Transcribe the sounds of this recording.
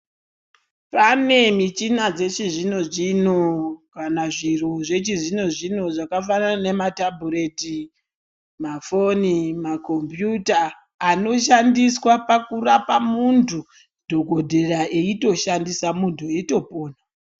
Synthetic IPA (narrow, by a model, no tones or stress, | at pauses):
pane̞mit͡ʃinad͡ze̞t͡ʃiʐino̞ʐino̞kanaʐiruʐe̞t͡ʃiʐino̞ʐino̞ʐakafananane̞matabʱuɾe̞ti | mafo̞nimako̞mpjutaː | no̞ʃandiswapakurapamuntʰu | dʱo̞ɡo̞dʱe̞raʔeito̞ʃandisamuntʰueto̞poːna